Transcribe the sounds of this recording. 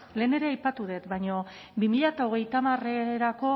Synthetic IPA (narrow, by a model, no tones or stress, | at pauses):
le̞ːne̞ɾe̞ajpat̪uðe̞t̪bajɲo̞ | bimiʎat̪aoɣ̞e̞jt̪amareɾako̞